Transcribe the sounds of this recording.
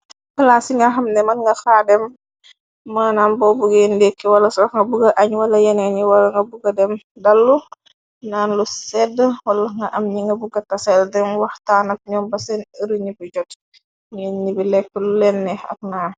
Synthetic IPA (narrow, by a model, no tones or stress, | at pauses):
kəlasiŋɡɐxɐmnɛmɐnŋɡɐxaːdɛm | maːnambɔbuɡendɛkːɛwɐlɐsxŋɡɐbuɡɐʔɐɲwɐlɐjɛnɛɲiwɐlɐŋɡɐbuɡɐdɛmdɐlːu | naːnlusɛdəwɐlɐŋɡɐʔɐmɲiŋɡɐbuɡɐtɐsɛldɛnwɐxtaːnɐk̚ɲɔmbɐsɛnəɾuɲibid͡ʒɔt | ɲɛnnibilɛk̚ːəlulɛnːɛɐ̰k̚naː